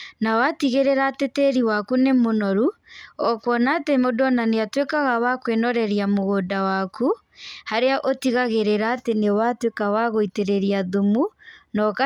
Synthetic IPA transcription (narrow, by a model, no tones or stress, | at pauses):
nawatiɣeɾeɾatetɛɾiwakunemonɔɾuɔkwɔnaːtemodɔnaneatwekaɣawakwenɔɾɛɾiamoɣoːdawaku | haɾeaʔotiɣaɣeɾeɾaːtenewatwekawaɣoiteɾeɾiaðumunɔka